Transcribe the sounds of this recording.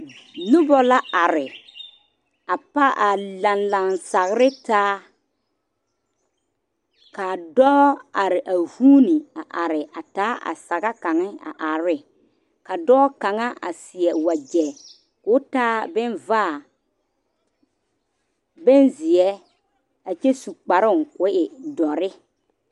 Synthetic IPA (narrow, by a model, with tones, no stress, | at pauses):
lʊ˦bɔ˨la˦ʔa˨ɾɪ˨ | a˨pa˦ʔa˨la˨nla˨nsa˨ɣɪ˨ɾɪ˦taː˦ | ka˨dɔː˦a˨ɾɪ˨ʔa˨vuː˦ni˨a˨ʔa˨ɾɪ˨a˨taː˨˦ʔa̰˨sa˨ɣa˦ka˨ŋɪ˦a̰˨ʔa˨ɾɪ˦ | ka˨dɔː˦ka˨ŋa˦ʔa̰˨sɪ˨ɛ˨wa˨d͡ʒɛ˨ | kʊ˦taː˦bɛ˦nvaː˦˨ | bɛ˦nzɪ˨ɛ˦ | a˨t͡ʃɛ˦su˨k͡pa˨ɾʊ˦ŋkʊ˦ʔɪ˨dɔ˨ɾɪ˦